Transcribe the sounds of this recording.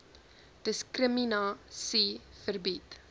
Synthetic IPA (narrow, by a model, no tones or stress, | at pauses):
d̥əskrəminɑːsifərbit